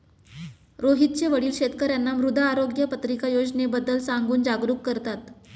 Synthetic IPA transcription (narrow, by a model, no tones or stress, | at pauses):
ɾoɦit̪̚t͡ɕeʋəɽiːlɕet̪kəɾjanːamɾud̪ʱaːɾoɡjəpət̪ɾikajod͡ʑnebəd̪ːəlsaŋɡuːnd͡ʑaɡɾuːkːəɾt̪at̪